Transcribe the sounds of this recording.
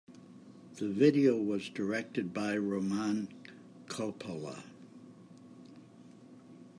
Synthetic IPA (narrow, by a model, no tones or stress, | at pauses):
ðɨvɪɾioʊwʌzdə˞ɛk̚tɨd̚baɪɹoʊmæ̃n | kʰɔpʰəlˠə̰